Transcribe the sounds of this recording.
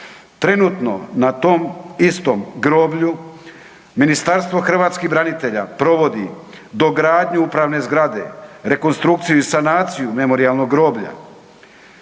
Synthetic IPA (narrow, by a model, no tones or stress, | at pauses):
t̪ɾe̞nuːt̪no̞̰nat̪o̞mist̪o̞mɡɾo̞ːbʎu | minist̪aɾst̪ʋo̞xr̩ʋaːt̪skibɾanit̪e̞ʎa̰pɾo̞ʋo̞d̪i | d̪o̞ɡɾaːd̪ɲeupɾaʋne̞zɡɾad̪e̞̰ɾe̞ko̞nst̪ɾuk̚t̪sijuisanaːt̪sijume̞mo̞ɾialˠno̞ɡːɾo̞ːbʎa̰